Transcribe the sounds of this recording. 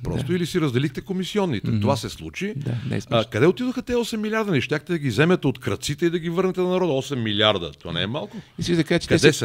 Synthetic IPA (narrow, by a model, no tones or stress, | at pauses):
pɾɔ̰st̪oilisiɾɐzd̪ɛlixt̪ɛkomisiɔnːit̪ɛt̪ovasɛslˠut͡ʃid̪a̰nɛ̰kɐd̪ɛot̪id̪oxət̪ɛɔsɛmːilʲiaɾd̪ɐnɛʃt̪ʲjaxt̪ɛd̪ɐɡʲizɛmət̪ɛot̪kɾɐt̪sit̪ɛid̪ɐɡʲivɤɾnɛt̪ɛnɐnɐɾɔd̪ɐɔsɛmːilʲiaɾd̪ə̰t̪oa̰nɛ̰ɛmalˠkʊisid̪ɐkat͡ʃɛ̥kɐɛd̪ɛs